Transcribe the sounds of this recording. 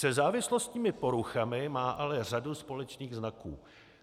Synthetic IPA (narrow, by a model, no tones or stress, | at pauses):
sɛzaːvɪslo̞st̪ɲiːmɪpo̞ɾuxamɪmaːʔalɛr̝aduspo̞lɛt͡ʃniːɣznakṵː